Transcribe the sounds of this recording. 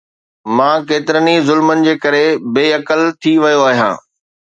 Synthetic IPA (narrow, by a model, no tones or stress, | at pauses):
mãːkeːt̪ɪɾənizʊlmənɪ̆d͡ʑeːkɐɾebeːɐkəlt̪ʰiʋɐjoaːɦijãː